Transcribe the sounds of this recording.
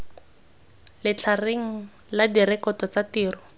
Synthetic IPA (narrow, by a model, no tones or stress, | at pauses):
lɪt͡ɬʰareŋ̩ | ladiɾɛkɔtɔt͡satiːrɔ